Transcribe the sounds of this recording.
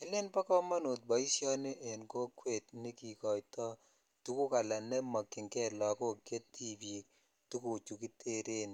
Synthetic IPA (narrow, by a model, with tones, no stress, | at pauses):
ɛ˦le˦npa˦kɔ˦ma˦no˨t̚bɔ˨i˦sjɔ˦nɪ˦ʔe˨nko˦kwe˦˨tnɪ˦ki˨kɔ˨jtɔ˦ | tu˦ku˦ka˨la˨nɛ˦ma˨kːi˨ŋkɛ˦lɔ˨ko˦kje˦tːi˦bi˨k | tu˦ku˨t͡ʃu˨ki˦te˦ɾe˦n